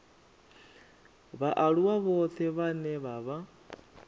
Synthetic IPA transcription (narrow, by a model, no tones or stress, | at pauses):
βaʔaɺuwaβɔt̪ʰɛβanɛβaβa